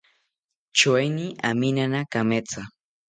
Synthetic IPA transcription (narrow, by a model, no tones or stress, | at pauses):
t͡ʃwajnia̰mɪnanakamet͡sa